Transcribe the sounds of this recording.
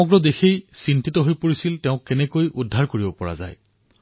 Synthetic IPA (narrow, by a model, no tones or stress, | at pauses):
ɔɡɹɔdexejsintitɔɦojpoɹisilteʊ̃kːenɛkojʔudʱːaɹkoɹibɔpɔɹa̰za̰j